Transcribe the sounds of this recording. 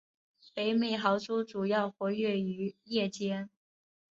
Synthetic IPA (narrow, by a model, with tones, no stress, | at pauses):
pe˧˥ɪme˨˩ɪxɑ˧˥ʊt͡su˥ʈ͡ʂu˨˩jɑ˥˩ʊxwɔ˧˥ɥɛ˥˩y˧˥jɛ˥˩t͡ɕjɛ˥n